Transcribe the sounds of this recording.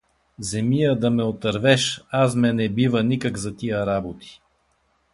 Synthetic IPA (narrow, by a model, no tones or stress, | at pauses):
zɛmiəd̪ɐmɛot̪əɾvɛʃas̬mɛnɛbivənikəɡzɐt̪ijəɾabot̪i̥